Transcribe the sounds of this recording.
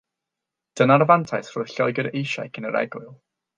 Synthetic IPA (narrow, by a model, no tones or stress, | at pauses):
d̥ənarvantʰajθr̥ʊɨɬɔɨɡəɾejʃa̰jkʰənəɾʔɛ̰ɡʊlˠ